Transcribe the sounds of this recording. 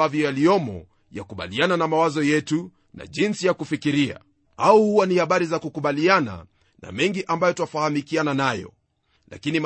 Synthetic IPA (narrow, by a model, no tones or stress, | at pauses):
avjɔjaliɔmɔ̰ | ja̰kuɓa̰liananamawazɔjɛtu | nʔa̰ʄinsijakufikiɾia̰ | auhuwanihaɓaɾizakukuɓaliana̰ | na̰mɛŋɡiʔambajɔtuafahamikiananajɔ̰ | la̰kinim